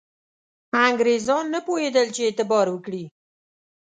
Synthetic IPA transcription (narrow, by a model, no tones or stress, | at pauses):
aŋɡɾezɑnːəpojed̪əlt͡ʃeet̪ɪbɑɾwəkɽi